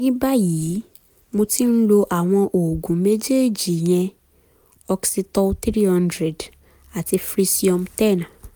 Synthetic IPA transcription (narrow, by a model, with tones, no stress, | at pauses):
nĩ˦ba˦jiː˨˦ | mo˧ti˦n̩˦lo˧ʔa˨w̃ɔ̃˧ʔoː˨ɡũ˨˦me˦d͡ʒe˦˨d͡ʒi˨j̃ɛ̃˧ | ɔ˧ksi˧tɔ˧t̪ɾi˦hɔ̃˦ndɾɛ˨d | a˨ti˧fɾi˧si˦ɔ̃˧mtɛ˦˨nã˨